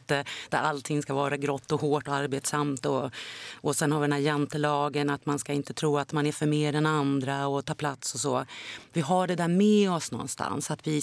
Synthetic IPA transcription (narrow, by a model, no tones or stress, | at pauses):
t̪əd̪̥æɾalt̪ʰɪŋːskavɑːɾaɡɾɔt̪ːɔhoːʈɔaɾbeːt̪samt̪ɔɔsɛnhaɾɪd̪ɛnæːjɛnt̪əlɑːɡənat̪manskaɪnt̪ət̪ʰɾuːat̪manæɾfœɾmeːɖɛnand̪ɾaɔt̪ʰɑːpʰlat̪sɔsoːvɪɦaɖɛd̪æːɾmɛɔsnɔ̰nst̪ʰa̰nsat̪vɪ